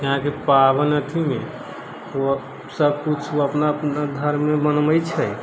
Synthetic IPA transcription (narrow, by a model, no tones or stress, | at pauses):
jəɦãkepabənət̪ʰimẽ | o | səb̚kut͡ʃʰoəpnaəpnad̪ʱəɾmebənməjt͡ʃʰɛ